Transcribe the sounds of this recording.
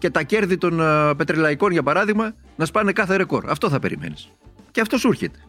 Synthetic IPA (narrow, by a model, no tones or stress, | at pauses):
ce̞t̪ɐce̞ɾðit̪o̞npe̞t̪ɾilɐiko̞nʝɐpɐɾɐðiɣmɐ | nɐspɐne̞kɐθe̞ɾe̞ko̞̰ɾɐ̰ft̪o̞θɐpe̞̰ɾḭme̞̰nis | ceɐft̪o̞suɾçet̪e̥